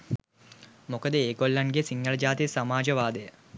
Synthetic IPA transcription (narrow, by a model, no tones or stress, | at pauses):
mokəd̪əeːɡolːanɡesiŋɡələd͡ʒaːt̪ijsamaːd͡ʒəʋaːd̪əjə